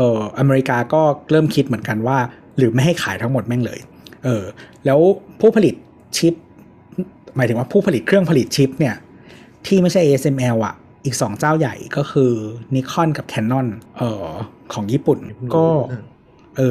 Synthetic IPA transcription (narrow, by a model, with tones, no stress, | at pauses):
ʔɤː˨˩ʔa˧meː˧ɾi˦˥kaː˧kɔː˥˩ɾɤː˥˩mkʰi˦˥t̪̚mɯ˩˦ənka˧nwaː˥˩ | ɾɯː˩˦ma˥˩jɦha˥˩jkʰaː˩˦jt̪ʰa˦˥ŋmo˨˩t̪̚mɛ˥˩ŋlɤ̰ː˧j | ʔɤː˧lɛː˦˥wpʰuː˥˩pʰa˧li˨˩t̪̚ | t͡ɕʰi˦˥p̚ | maː˩˦jt̪ʰɯ˩˦waː˥˩pʰuː˥˩pʰa˧li˨˩t̪̚kʰɾɯ˥˩əŋpʰa˧li˨˩t̪̚t͡ɕʰi˦˥p̚ni˥˩ɐ | t̪ʰiː˥˩ma˥˩jt͡ɕʰa˥˩jʔe˧˥se˧mʔɛː˧wʔa̰˨˩ʔ | ʔiː˨˩k̚sɔː˩˦ŋt͡ɕaː˥˩wja̰˨˩jkɔː˥˩xʰɯː˧ni˦˥kʰɔ˥˩nka˨˩p̚kʰɛː˧nːɔ˥˩nʔɤː˨˩kʰɔː˩˦ŋjiː˥˩pu˨˩nkɔː˥˩ | ʔɤː˧